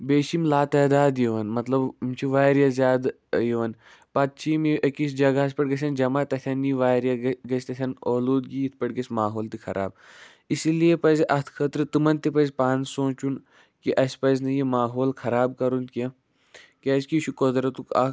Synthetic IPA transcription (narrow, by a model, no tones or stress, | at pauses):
beːʃimlaːt̪ɐːd̪aːd̪jiʋɐnmɐt̪lɐbmt͡ʃʰiʋaːɾjazʲjaːd̪ | jeʋɐn | pɐt̪̚t͡ʃʰimiʔɐkis̬d͡ʒɐɡaɐs̬ʲpɐʈɡɐs̬ʲɐnd͡ʒɐmaːt̪ɐt̪ʲʰɐnːiʋaːɾjaɡɐsʲt̪ɐtʲʰɐnoːloːd̪ɡiit̪ʰpɐʈɡɐsʲmaːɦoːlt̪ixʰɐɾʔa̰ːb̚ | isilijepɐzʔɐt̪ʰkʰɐt̪ɾɨt̪ɨmɐnt̪ipɐzʲpaːnsõːt͡ʃun | kiʔɐsʲpɐzʲnɐjimaːɦoːlkʰɐɾaːbkɐɾunke | kʲɐːskit͡ʃʰukod̪ɾɐt̪ukɐ̰